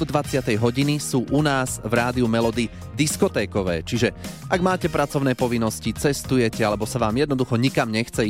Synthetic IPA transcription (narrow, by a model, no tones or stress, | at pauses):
d̪d̪ʋat͡sɪat̪ɛjɦɔɟinisuːʔunaːz̥vɾaːd̪iumɛlɔd̪i | d̪iskɔt̪ɛːkɔʋɛ̰ːt͡ʃiʒɛ | aɡmaːcɛpɾat͡sɔʊnɛːpɔʋinːɔscit͡sɛst̪ujɛcɛalɛbɔsaʋaːmjɛd̪nɔd̪uxɔɲikamɲɛxt͡sɛ